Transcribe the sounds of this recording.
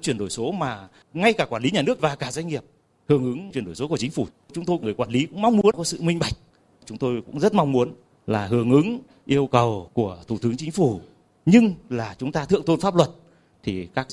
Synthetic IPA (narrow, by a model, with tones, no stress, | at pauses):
t͡ɕwi˧˩ənɗo˧˩jso˨˦maː˨˩ | ŋa˧jkaː˧˩kwaː˧˩nli˨˦ɲaː˨˩nɨ˦˥ək̚vaː˨˩kaː˧˩za˧jŋ̟ŋi˨˩əp̚ | hɨ˨˩əŋʔɨ˨˦ŋwi˧˨˩ənɗo˧˩jso˨˦ku˧˩ət͡ɕï̟˨˦fu˧˩ | t͡ɕʊ˨˦ŋ͡mt̪o˧jŋɨ˨˩əjkwaː˧˩nli˨˦kʊ̰˧˥ŋ͡mma˧wŋ͡mmu˨˦ənkɔ˨˦sɨ̰˧˨mï˧ŋɓa˨˩jk̟̚ | t͡ɕʊ˨˦ŋ͡mt̪o˧jkʊ̰˧˥ŋ͡mzə˦˥t̚ma˧wŋ͡mmu˨˦ən | laː˨˩ɦɨ˨˧˩əŋʔɨ˨˦ŋ | ʔi˧əwkə˨˩wku˧˩ət̪ʰu˧˩t̪ɨ˨˦əŋt͡ɕï˨˦ŋ̟fu˧˩ | ɲɨ˧ŋlaː˨˩t͡ɕʊ˨˦ŋ͡mt̪aː˧t̪ɨ̰˧˨əŋt̪o˧nfaː˦˥p̚lwə˨˩t̚ | t̪ʰi˨˩kaː˦˥k̚